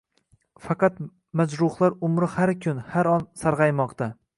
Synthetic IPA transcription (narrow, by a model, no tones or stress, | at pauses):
fɑqɑt̪ | mazɾʊhlˠaɾʊmɾɪhaɾkʲʰʊnhaɾɒnsaɾʁɑjmɒqt̪ʰa